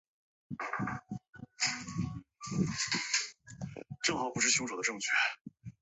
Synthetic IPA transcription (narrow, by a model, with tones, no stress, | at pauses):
ʈ͡ʂɤ˥˩ŋxɑ˨˩˥pu˧˥ʂɻ̩˥˩ɕʰjʊ˥ŋʂo˨˩d̪ə˦ʈ͡ʂɤ˥˧ŋt͡ɕʰɥɛ˥˩